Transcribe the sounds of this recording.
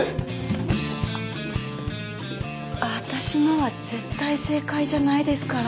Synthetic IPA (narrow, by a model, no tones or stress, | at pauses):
at̪aɕinoβaz̥e̞t̪ːaise̞ːkaiʑanaid̪e̞sɨ̥kaɾ